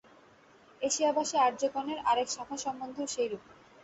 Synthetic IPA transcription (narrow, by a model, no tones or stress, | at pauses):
eʃiabaʃeaɾd͡ʑokɔneɾaɾekʃakʰaʃɔmbond̪ʱoʃejɾup